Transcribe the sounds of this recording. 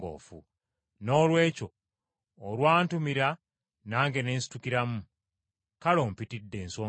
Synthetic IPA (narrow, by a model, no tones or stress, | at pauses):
ɡo̰ːfṵ | no̞ːlwe̞ːco̞ː | lwaːntumiɾa | naːŋɡe̞ne̞ːnsi̥tukiɾamu | kalo̞ːmpitidːe̞ːnsoː